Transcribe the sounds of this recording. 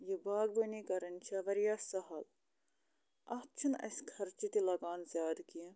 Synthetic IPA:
jibaːɡbɐnikɐɾɐnʲt͡ʃʰɐʋɐɾjaːsɐɦɐl | ɐht͡ʃʰinɐ̰sʲkʰɐɾt͡ʃit̪ilɐɡaːnzjaːd̪ki

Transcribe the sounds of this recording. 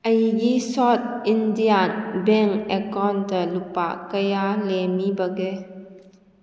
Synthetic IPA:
ʔəjɡisɔt̪̚indianbɛŋʔɛkɔnt̪əlupa̰ʔkəjalɛmibəɡɛ

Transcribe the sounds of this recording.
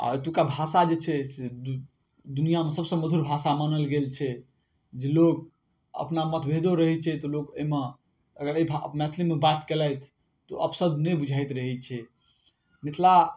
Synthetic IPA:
a̰t̪ukabʱasad͡ʒet͡ʃʰɛse | d̪unijamesəbsə̃məd̪ʱuɾbʱasamənəlɡelt͡ʃʰɛ | d͡ʒelok̚ | ə̰pnamət̪ʰbʱed̪oɾəɦɛt͡ʃʰɛt̪ɔlokəme | əɡəɾəibʱaə̰pmɛt̪ʰlimebat̪keləjt̪ʰː | ɔ̰ʔəpʰsəd̪ʱnebud͡ʒʱajt̪ɾəɦɛt͡ʃʰɛ | mit̪ʰla

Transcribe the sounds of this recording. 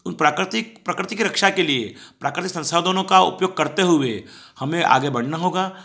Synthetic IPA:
ʊnpɾakɾɪt̪ɪkpɾɐkɾɪt̪ɪkɾɐkʃakeliepɾaːkɾɪt̪ɪksɐ̃nsaːd̪ʱənõkaʊ̰pjoːɡ̚kɐɾt̪eɦʊʋe | hɐmẽʔa̰ːɡebɐɽ̤naɦoːɡaː

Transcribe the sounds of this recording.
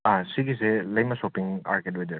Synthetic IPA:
asiɡiselɐjmɐsopiŋa̰ɾket̬̚wedi

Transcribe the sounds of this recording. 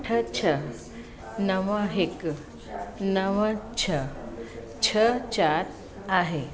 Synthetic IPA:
ʈʰət͡ɕʰə | nəʋaɦek | nəʋãt͡ɕʰə | t͡ɕʰət͡ɕat̪ | aɦe

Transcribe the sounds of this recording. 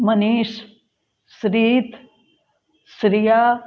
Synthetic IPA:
mɐniːʃ | sɾiːt̪ | sɾijaː

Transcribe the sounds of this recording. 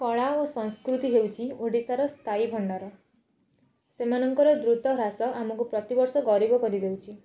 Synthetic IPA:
kɔɭaosɔ̃ŋ̃skɾut̪iɦewt͡ʃʰioɽisaɾɔst̪ʰaibʱɔɳɖɔɾɔ | semanɔŋkɔɾɔd̪ɾut̪ɔɾasɔʔamɔkupɾɔt̪ibɔɾsɔɡɔɾibɔkɔɾid̪ewt͡ʃʰi

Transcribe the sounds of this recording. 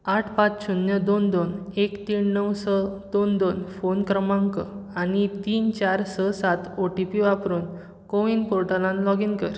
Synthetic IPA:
aʈʰpat͡sɕunjəd̪ond̪onekt̪iːnːəwsɔd̪̥ond̪onfonkɾəmãŋkəaɽ̃it̪iːnt͡ɕaɾsəsat̪oʈipiʋapɾuːn | koʋinpoɾʈalãnlɔɡiŋkəɾ

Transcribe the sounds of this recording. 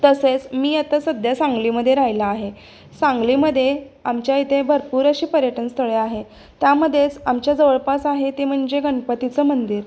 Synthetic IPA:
t̪əset͡smiːat̪əsəd̪ʱjasaŋɡliːməd̪ʱːjeɾajlaːɦe | sãŋɡliːməd̪ʱːje | amt͡ɕjait̪ʰebʱəɾpuːɾəɕiːpəɾjəʈənst̪ʰəɭeaɦe | t̪jaməd̪ʱːjet͡samt͡ɕjad͡zəʋəɭpasaɦet̪em̤əɳd͡ʑeɡəɳpət̪it͡səːmənd̪iːɾ

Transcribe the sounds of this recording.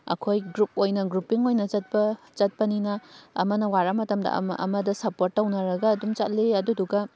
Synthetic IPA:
ɐ̰kʰojɡɾup̚ojnɐɡɾupiŋojnɐzɐt̚pɐ | zɐt̚pɐninɐɐ̰mɐnɐwaɾamɐtɐmdɐ̰m̰ʔɐ̰mɐdɐsɐpoɾtːɐwnɐɾɐɡɐːdumt͡ʃɐt̚liɐduduɡɐ

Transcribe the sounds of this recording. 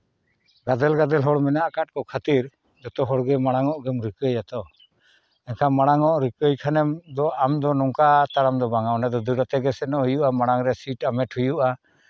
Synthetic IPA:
ɡad̪ɛlɡad̪ɛlɦɔɽmɛnaʔkaʈ̚kɔkʰat̪iɾ | d͡ʒ̪ɔt̪ɔɦɔɽɡɛmaɽ̃aŋɔʔɡɛmɾikəjat̪ɔ | ɛnkʰamaɽ̃aŋɔʔɾikəjkʰanɛmd̪ɔʔamd̪ɔnɔŋkat̪aɾamd̪ɔbaŋanɛd̪ɔd̪uɾɔt̪ɛɡɛsɛnɔʔhujuʔamaɽ̃aŋɾɛsiʈamɛʈʰhujuʔa

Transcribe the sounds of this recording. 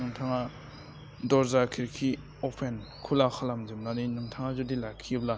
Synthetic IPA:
ɯŋtʰaŋa | dɔɾzakʰiɾkʰi | ɔpʰenkʰulakʰalamzɯmlaninɯŋtʰaŋazudilakʰːibla

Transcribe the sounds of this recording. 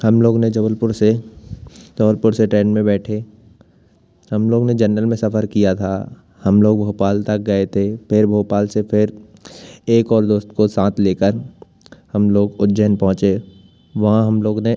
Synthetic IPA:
hɐmloːɡned͡ʒɐbəlpʊɾse | d͡ʒɐbəlpʊɾseʈɾɛ̃ːɳɖmẽbɛːʈʰe | hɐmloːɡned͡ʒɐnːəlmẽsɐfəɾkijat̪ʰa | hɐmloːɡbʱoːpaːlt̪ɐk̚ɡɐet̪ʰepʰɪɾbʱoːpaːlsepʰɪɾ | eːkɔːɾd̪oːst̪kosãːt̪ʰleːkəɾ | hɐmloːɡʊtd͡ʒənpɔ̃ɦʊ̃t͡ʃe | ʋɐɦãɦɐmloːɡne

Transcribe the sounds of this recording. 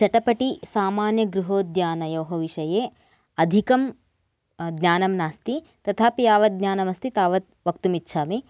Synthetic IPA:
t͡ʃɐʈɐpɐʈisaːmaːnjɐɡɾuɦoːd̪jaːnɐjɐːɦɐʋiʃɐjeː | ɐd̪ʱikɐm | d̪nʲaːnɐmnaːst̪i | t̪ɐt̪ʰaːpijaːʋɐt̪̚ɡ̪ɲjaːnɐmɐst̪ʰit̪aːʋɐt̪̚ʋɐkt̪umitːʃʰaːmi

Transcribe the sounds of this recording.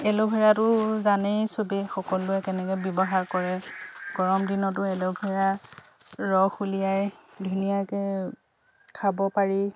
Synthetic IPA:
ɛlobʱɛɹatʊzanɛsobixɔkɔlʊɛkɛnɛkɛbjɔbɔɦaɹkɔɹɛɡɔɹɔmdinɔt̬ʊɛlobʱɛɹa | ɹɔxulijajdʱunijakɛ | kʰabɔpaɹi

